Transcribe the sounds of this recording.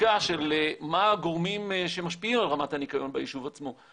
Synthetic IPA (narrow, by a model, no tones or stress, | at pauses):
aʃelemaɡoʁmimʃe̞maʃpiimalʁamathanikajo̞nbajiʃuvat͡smo